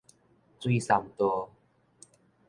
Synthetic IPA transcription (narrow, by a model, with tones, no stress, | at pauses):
t͡swi˧sa˨˩mt̪ɔ˧